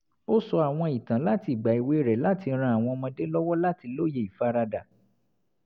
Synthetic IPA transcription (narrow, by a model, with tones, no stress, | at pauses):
o˦sɔ˧a˨w̃ɔ̃˧i˨tã˨la˦ti˦˨ɡ͡ba˨i˨we˨˦ɾɛ˨la˦ti˧˦ɾ̃ã˧a˨w̃ɔ̃˧mã˧de˦lɔ˦wɔ˦la˦ti˧lo˦je˧˨i˨fa˦ɾa˧da˨